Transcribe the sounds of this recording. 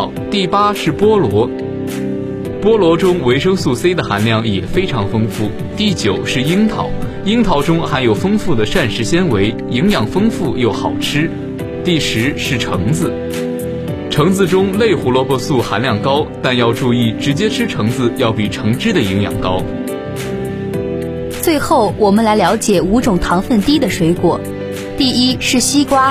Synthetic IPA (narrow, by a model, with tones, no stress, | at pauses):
t̪i˥˩pa˥ʂɻ̩˥˩pwɔ˥lwɔ˧˥ | pwɔ˥lwɔ˧˥ʈ͡ʂʊ˥ŋwe˧˥ɪʂɤ˥ŋsu˥˩se˥ɪd̪ə˨xa˧˥nljɑ˥˩ŋjɛ˨˩fe˥ɪʈ͡ʂʰɑ˧˥ŋfɤ˥ŋfu˥˩ | t̪i˥˩t͡ɕjo˨˩ʊʂɻ̩˥˩i˥ŋt̪ʰɑ̰˧˥ʊ | i˥ŋt̪ʰɑ˧˥ʊʈ͡ʂʊ˥ŋxa˧˥njo˨˩ʊfɤ˥ŋfu˥˩d̪ə˩ʂa˥˩nʂɻ̩˧˥ɕjɛ˥nwe˧˥ɪ | i˧˥ŋjɑ˨˩ŋfɤ˥ŋfu˥˩jo˥˩ʊxɑ˨˩ʊʈ͡ʂʰɻ̩˥ | t̪i˥˩ʂɻ̩˧˥ʂɻ̩˥˩ʈ͡ʂʰɤ̰˧˥ŋd͡zɹ̩˧ | ʈ͡ʂʰɤ˧˥ŋd͡zɹ̩˧ʈ͡ʂʊ˥ŋle˥˩ɪxu˧˥lwɔ˧˥pɔ˥su˥˩xa˧˥nljɑ˥˩ŋkɑ˥ʊt̪a˥˧njɑ˥˧ʊʈ͡ʂu˥˧i˥˩ʈ͡ʂɻ̩˧˥t͡ɕjɛ˥ʈ͡ʂʰɻ̩˥ʈ͡ʂʰɤ˧˥ŋd͡zɹ̩˧jɑ˥˩ʊpi˨˩ʈ͡ʂʰɤ˧˥ŋʈ͡ʂɻ̩˥d̪ə˨i˧˥ŋjɑ̰˨˩ŋkɑ˥ʊ | t͡swe˥˧ɪxo˥˩ʊwɔ˨˩mə˦nla˧˥ɪljɑ˧˥ʊt͡ɕjɛ˨˩u˧˥ʈ͡ʂʊ˨˩ŋt̪ʰɑ˧˥ŋfə˥˩nt̪i˥d̪ə˨ʂwe˧˥ɪkwɔ˨˩˦ | t̪i˥˩i˥ʂɻ̩˥˩ɕi˥kwa˥